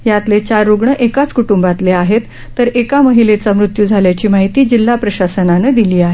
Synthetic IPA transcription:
jat̪let͡ɕaɾːuɡɳəʔekat͡skuʈumbat̪leaɦet̪ːəɾekaməɦilet͡samɾut̪jud͡zʱaljat͡ɕiːmaɦit̪iːd͡ʑilːapɾəɕasənanəd̪iliːaɦe

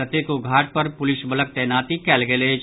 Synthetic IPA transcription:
ət̪ekoɡʱaːʈ̚pɐɾpʊlɪʃbɐlək̚t̪ɛːnaːt̪ikɛːlɡele

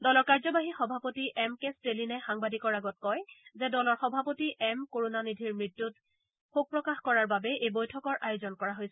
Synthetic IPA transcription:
dɔlɔɹkaɹzɔbaɦixɔbʱapotiʔɛmkestelinɛxaŋbadikɔɹaɡɔt̚kɔjzɛdɔlɔɹxɔbʱapotiʔɛmkoɹonanidʱiɹmɹitːut | xuk̚pɹɔkaxkɔɹaɹbabɛejbojtʰɔkɔɹʔajozɔnkɔɹaɦojsɛ

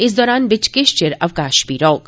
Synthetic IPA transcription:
ɪs̬d̪ɔːɾaːnbɪt͡ʃkɪʃt͡ʃɪɾɐʋkaːʃpiːɾɔːɡ

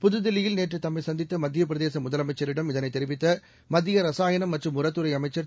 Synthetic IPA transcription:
pʊðɯðɪlːɪjɪlneːʈrɯt̪ɐmːɐɪsɐnd̪ɪt̪ːɐmɐd̪ːɪjɐpɪɾɐðeːsɐmʊðɐlɐmɐɪt͡ʃːɐɾɪɽɐmɪðɐnɐɪt̪ːɛɾɪʋɪt̪ːɐ | mɐðɪjɐɾɐsaːjɐnɐmːɐʈrɯmʊɾɐt̪ːɯɾɐɪɐmɐɪt͡ʃːɐɾ

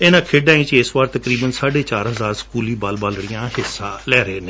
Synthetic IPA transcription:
eːnãːkʰeːɖaːĩːt͡ʃɪsʋaːɾt̪əkɾiːbənsaːɖeːt͡ʃaːɾɦəzaːɾsə̥kuːliːbaːlbaːlɽijãːhɪsːãːlɛːɾeːneː

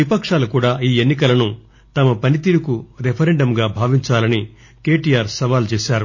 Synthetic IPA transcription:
ʋipɐkʂaːlukuːɽaːiːe̞nːikɐlɐnu | t̪ɐmɐpɐnit̪iːɾukuɾepʰɐɾeɳɖɐmɡaːbʱaːʋiɲt͡ʃaːlɐni | ke̞ːʈiːjaːɾsɐʋaːlt͡ʃeːsaːɾu

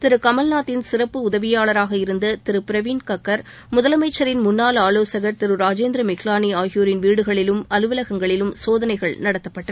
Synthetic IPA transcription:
t̪ɪɾɯkɐmɐlnaːt̪ːɪnsɪrɐpːɯʊðɐʋɪjaːɭɐɾaːɣɐɪɾɯnd̪ɐt̪ɪɾɯpɪɾɐʋiːnkɐkːɐɾ | mʊðɐlɐmɐɪt͡ʃːɐɾɪnmʊnːaːlaːloːsɐɣɐɾt̪ɪɾɯɾaːd͡ʒeːnd̪ɾɐmɪklaːniaːɣɪjoːɾɪnʋiːɽɯɣɐɭɪlɯmɐlɯʋɪlɐɣɐŋɡɐɭɪlɯmsoːðɐnɐɪɣɐɭnɐɽɐt̪ːɐpːɐʈːɐ

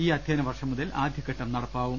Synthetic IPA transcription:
iːɐd̪ʱjeːnɐʋɐrʂɐmːuðɐlʔaːd̪ʱjɐkːɐʈːɐmnɐɽɐpːaːʋum

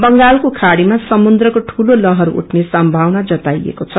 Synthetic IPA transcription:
bʌŋɡalkokʰaɽimasʌmund̪rʌkoʈʰulolʌɦʌɾuʔṵʈʰnesʌmbʱawnad͡zʌt̪ajḛkot͡sʰʌ

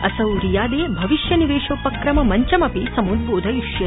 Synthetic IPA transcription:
ɐsɐwɾijaːd̪eːbʱɐʋiʃjɐniʋeːʃoːpɐkɾɐmɐmɐɲt͡ʃɐmɐpisɐmud̪̚boːd̪ʱɐjuʃjɐ

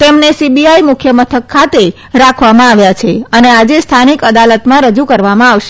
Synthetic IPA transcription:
t̪emnesibiaimʊkʰjəmət̪ʰəkʰːat̪e | ɾakʰʋamãaʋjat͡ʃʰeənead͡ʒest̪ʰanikəd̪alət̪mãɾəd͡ʒukəɾʋamãaʋʃ

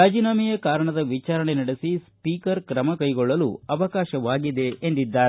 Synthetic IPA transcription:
aːd͡ʒiːnaːmijɐkaːɾɐɳɐd̪ɐʋit͡ʃaːɾɐɳenɐɽesispiːkɐɾkɾɐmɐkɐjɡɔɭːɐlṵɐʋɐkaːʃɐʋaːɡid̪e̞end̪id̪ːaːɾe

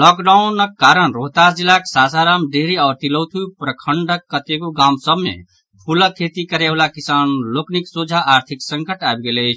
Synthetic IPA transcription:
lɔkɖaunəkːaɾənɾoɦt̪asd͡ʒilaksasaɾamɖeɦɾiaːɾt̪ilot̪ʰujpɾəkʰəɳɖəkːət̪eɡuɡamsəbmḛ | pʰuləkʰːet̪ikəɾeblakisanlokniksod͡ʒʱaʔːɾt̪ʰiksəŋkəʈaebɡeləɪt͡ʃʰ

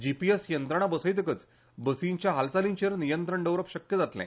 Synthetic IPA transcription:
d͡ʑipiesjənt̪ɾəɳ̃abəsəjt̪əkət͡s | bəsĩɲt͡ɕjaɦalt͡saliɲt͡ɕeɾnijənt̪ɾəɳɖəʋɾəpɕəkjəd͡zat̪lɛ̰̃

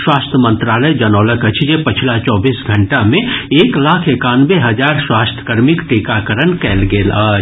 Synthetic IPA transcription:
swaːst̪ʰəmə̃nt̪ɾaːləd͡ʒɐnɔːləkət͡ʃʰjepɐt͡ʃʰlat͡ʃɔːbiːsɡʱɐ̃ɳʈamẽeːklaːkʰekaːnweɦɐd͡ʒaːɾswaːst̪ʰkəɾmɪkʈiːkakəɾənkɛːlɡeːlaː

